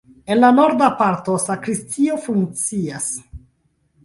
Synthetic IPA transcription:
e̞nlano̞ɾdapaɾto̞sakɾistʰio̞fuŋkt͡sias

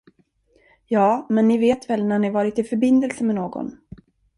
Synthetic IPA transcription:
jɑːmɛnːɪveːt̪vɛlnæɳɪvɑːɾɪt̪ɪfœɾbɪnd̪əlsəmɛnoːɡɔ̰n

